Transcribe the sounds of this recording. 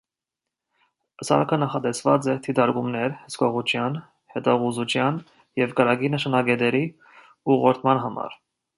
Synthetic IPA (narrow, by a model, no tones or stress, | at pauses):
əsɑ̰ɾkʰənɑχɑt̪ɛsvɑt͡sɛt̪ʰit̪ɑɾkumnɛɾhəskɔʁut͡ʃʰjɑn | hɛt̪ɑʁuzut͡ʃʰjɑn | jɛvkəɾɑɡinəʃɑnɑɡɛt̪ɛɾi | uʁɔɾt̪ʰmɑnɦɑmɑ̰ɾ